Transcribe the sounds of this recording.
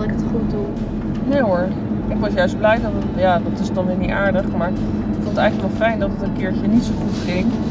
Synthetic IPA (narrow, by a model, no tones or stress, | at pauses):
ɪkətχut̚du | nejʊɹ | ɪkʋɑsjœɥsd̚blɛjdɑtətjaːdɑtɪsdɑnʋɪːnitaːɹdəχmaːɹ | kfonətɛjɣələkʋɛlˠfɛjndɑtətənkɪːɹçənitsoχutχɪŋ